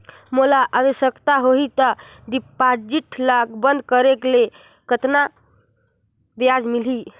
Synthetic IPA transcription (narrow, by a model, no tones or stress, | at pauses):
mulaʔaʋəsjəkt̪aɦoɦit̪əɖipad͡ʒiʈʰlaɡbənd̪kəɾekle | kət̪na | bjad͡ʒmilɦi